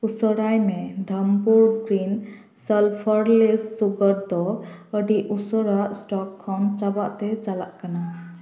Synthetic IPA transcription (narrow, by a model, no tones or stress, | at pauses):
usɔɾajmɛd̪ʱəmpuɾɡɾin | səlpʰəɾlesːuɡəɾd̪ɔəɖiʔusɔɾaʔsʈɔkʰːɔnt͡ʃabaʔt̪ɛt͡ʃala̰ʔkana